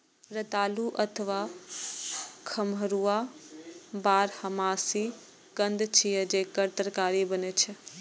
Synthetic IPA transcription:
ɾət̪aːluʔɐt̪ʰəʋaː | kʰɐmʱəɾua | baːɾhɐmaːsi | ɡə̃nd̪t͡ʃʰijəd͡ʒeːkəɾt̪əɾkaːɾibənet͡ʃʰə

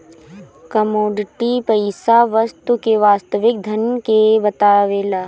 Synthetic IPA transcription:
kɐmoːɖɪʈipɐɪsaʋɐst̪ukeʋaːst̪əʋɪk̚d̪ʱɐnkebɐt̪aːʋeːlaː

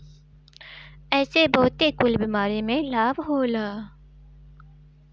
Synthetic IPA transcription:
ɛːsebɔɦʊt̪ekʊlbiːmaːɾemẽlaːbɦoːlaː

